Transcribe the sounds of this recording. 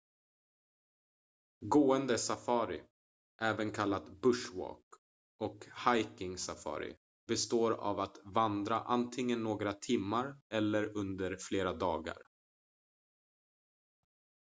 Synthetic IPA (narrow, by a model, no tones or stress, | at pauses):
ɡoːənd̪əsafɑːɾɪ̰ | ʔɛːvənkʰalːat̪bɵʂwɑ̰ːk | ʔɔkhajkɪŋsafɑ̰ːɾɪ̰ | bɛst̪oːɾa̰vat̪vand̪ɾaʔant̪ʰɪŋːənːoːɡɾat̪ʰɪmːaɾɛlːəɾɵnd̪əɾfleːɾad̪ɑːɡa̰ɾ